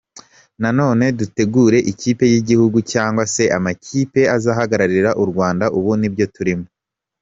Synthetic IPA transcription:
nano̞ːne̞dute̞ɡuːɾe̞ʔiciːpe̞jiɟihuɡucaːŋɡwase̞ʔamacʰiːpe̞azaːɦaɡaɾaɾiɾaʔuɾɡwaːndaʔuβunibjo̞tuɾimo

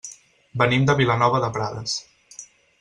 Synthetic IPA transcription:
bənimd̪əβilənɔβəðəpɾaðəs

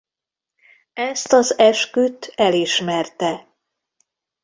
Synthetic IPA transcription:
ɛst̪ɒzɛʃkyt̪ɛliʃmɛrt̪ɛ

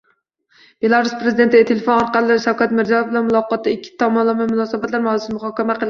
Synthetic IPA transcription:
b̥elˠɑɾuspɾezid̪ent̪ʰɪɪt̪ʰelefonɒɾqɑlˠɪʃawkʲat̪mɪɾzɑjfbɪlanmulˠɒqɒt̪ːaikʲʰːi̥t̪ʰɒmɑnlˠɑmamʊnɑːsabat̪læɾmɨsmuχɒkʲɛmaqʰəlˠ

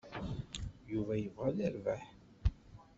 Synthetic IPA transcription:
juvæjəvʁæðæɾvæħ

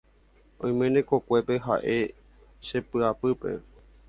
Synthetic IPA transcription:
õj̃mẽnẽko̞kʷe̞pe̞ɦa̰ʔe̞ | ʃe̞pɨapɨpe̞̰

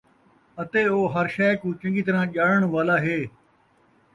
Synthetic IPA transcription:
ɐt̪eːoːɦɐɾʃɛːkũːt͡ʃɐ̃ŋɡiːt̪əɾãːʄaːɽəɳ̃ʋaːlaːɦeː

